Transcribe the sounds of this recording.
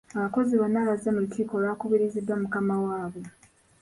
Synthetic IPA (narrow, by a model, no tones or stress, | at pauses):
aβako̞ziβanːaβazemutʰiːko̞ːlakuβiɾizidwamukamawaːβe